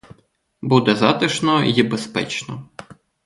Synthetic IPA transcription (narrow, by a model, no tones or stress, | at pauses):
bud̪ɛzɑt̪ɪʃnɔjibespɛ̰t͡ʃnɔ̰